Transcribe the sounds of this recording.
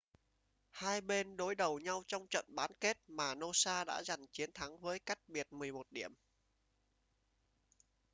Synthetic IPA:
haː˧jɓe˧nɗo˨˦jɗə˨˩wɲa˧wt͡ɕɔ˧wŋ͡mt͡ɕə̰˧˨nɓaː˨˦nke˦˥t̚maː˨˩no˧saː˧ɗa̰ː˧˥za˨˩jŋ̟t͡ɕi˨˦ənt̪ʰa˨˦ŋvəː˨˦jka˦˥jk̚ɓi˨˩ət̚mɨ˨˩əjmo˨˩t̚ɗi˧˩əm

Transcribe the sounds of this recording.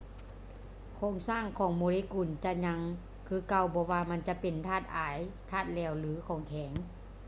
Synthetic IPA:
kʰoː˧˥˨ŋsaː˧˥˩ŋkʰɔː˨˦ŋmoː˨˧˦liː˦˧˥kuː˨˩nt͡ɕa˧˨ɲa˧ŋ | kʰɯː˧˥ka˧˨wbɔː˧˦waː˧ma˧˥˨nt͡ɕa˧˦pe˨nt̪ʰaː˧˥˩t̪̚ʔaː˨˩˦jt̪ʰaː˧˥˩t̪̚lɛː˧˩˨wlɯː˨˦kʰɔː˨˩˦ŋkʰɛː˩˦ŋ

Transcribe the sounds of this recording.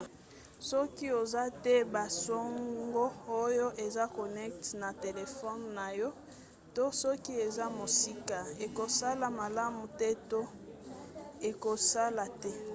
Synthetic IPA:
sɔ˦ki˦o˨za˦tɛ˦ba˨so˦ŋɡo˦o˦jo˦ʔe˨za˦ko˨nɛ˦k̚tna˨te˨le˨fɔ˦nːa˨jɔ˦ | to˦sɔ˦ki˦e˨za˦mo˨si˦ka˨e˨ko˨sa˦la˨ma˨la˦mu˨tɛ˦to˦ | e˨ko˨sa˦la˨tɛ˦

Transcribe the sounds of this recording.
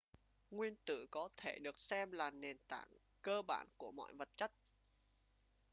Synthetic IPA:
ŋwi˧ənt̪ɨ̰˧˨kɔ˨˦t̪ʰe˧˩ɗɨ˨˩ək̚sɛ˧mlaː˨˩ne˨˩nt̪a̰ː˧˩˨ŋ | kəː˧ɓa̰ː˧˩nku˧˩əmɔ̰˧˨jvə˨˩t̚t͡ɕa˦˥t̚

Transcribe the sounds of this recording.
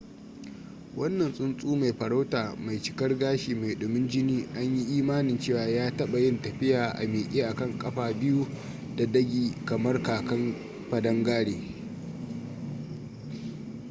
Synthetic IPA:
wɐ˦nːɐ˨nsʼʊ˦nsʼuː˦ma˨jɸɐ˨ɽa˦wtaː˨ma˨jt͡ʃɪ̥˨kɐ˦rɡaː˦ʃiː˨ma˨jɗʊ˨mɪ˦nd͡ʒɪ˦niː˦ʔa˦ɲji˦ʔiː˦maː˦nɪ˨nt͡ʃeː˦˨waː˨jaː˦tɐ˦ɓa˨jɪ˦ntɐ˨ɸɪ˦jaː˨ʔa̰˨meː˨ʔʲʼeː˦ʔa˨kɐ˦˨ŋkʼɐ˦ɸaː˨bɪ˦ju˦ | da˨dɐ˦ɡʲiː˨kɐ˨mɐ˦rkaː˨kɐ˦m | ɸɐ˨dɐ˦ŋɡaː˦ɽeː˨

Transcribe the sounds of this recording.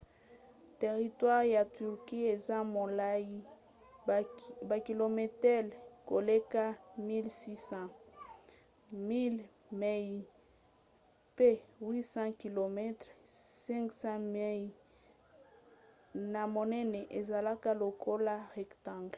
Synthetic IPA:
te˨ʁi˨twa˦ʁja˨ty˨ʁki˦e˨za˦mo˨la˦ji˦ | ba˨ki˨lo˨mɛ˨tɛ˦lko˨le˦ka˦mi˦lsi˦sɑ̃˦ | mi˦l | me˦ji˨ | pe˦wi˦sɑ̃˦ki˨lo˨mɛ˦tʁsɛ̃˦ŋksã˦me˦j | na˨mo˨nɛ˦nɛ˨ʔe˨za˨la˦ka˦lo˨ko˦la˦ʁɛ˨ktã˨ŋɡl

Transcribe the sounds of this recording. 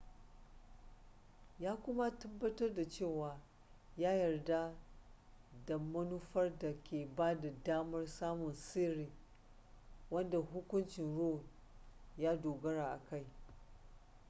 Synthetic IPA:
jaː˦kʷʊ˦ma˦tɐ˦bːɐ˦tɐ˦rda˨t͡ʃeː˦˨waː˨ | jaː˦jɐ˨rda˦ | da˨mɐ˦nu˦ɸɐ˦rda˨kʲʰeː˨baː˦da˨daː˦mɐ˦rsaː˦mʊ˨nseː˦ɾiː˨ | wɐ˦nda˨ɦʊ˦kʷʊ˦nt͡ʃɪ˨nɽoː˦˨ | jaː˦doː˨ɡɐ˦ɽaː˨ʔa˨ka˦˨j

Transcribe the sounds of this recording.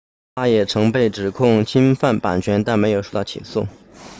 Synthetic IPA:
t̪ʰa˥jɛ˨˩ʈ͡ʂʰɤ˧˥ŋpe˥˩ɪʈ͡ʂɻ̩˨˩kʰʊ˥˩ŋt͡ɕʰi˥nfa˥˩npa̰˨˩nt͡ɕʰɥɛ˧˥nt̪a˥˩nme˧˥ɪjo˨˩ʂo˥˧t̪ʊt͡ɕʰḭ˨˩sṵ˥˩

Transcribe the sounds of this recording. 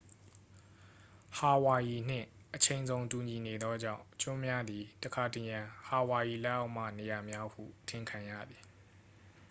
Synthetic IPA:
ha˨wa˨ji˨n̥ɪ̰̃˦˨ʔət͡ɕʰẽ˨ɪ̃nzõ˨ʊ̃ntu˨ɲi˨ne˨d̪ɔ˦d͡ʑã̰˦˨ʊ̃t͡ɕʊ̃˦mja˦d̪ði˨təkʰa˨tə˨jã˨ha˨wa˨ji˨lɛ˦ʔa˦ʊʔm̥a̰˦˨ne˨ja˨mja˦hṵ˦˨tʰɪ̃˦˨kʰã˨jä̰˦˨d̪i˨

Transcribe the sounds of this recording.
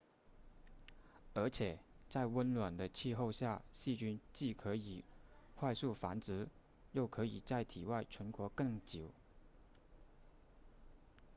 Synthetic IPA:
ə˞˧˥t͡ɕʰjɛ˨˩t͡sa˥˧ɪwə˥nlwa˨˩nd̪ə˦t͡ɕʰi˥˧xo˥˧ʊɕja˥˧ɕi˥˧t͡ɕy˥nt͡ɕi˥˩kʰɤ˧˥i˨˩xwa˥˧ɪsu˥˩fa˧˥nt͡sɻ̩˧˥ | jo˥˩ʊkʰɤ˧˥i˨˩t͡sa˥˩ɪt̪ʰi˨˩wa˥˩ɪʈ͡ʂʰwə˧˥nkwɔ˧˥kɤ˥˩ŋt͡ɕi˨˩ʊ

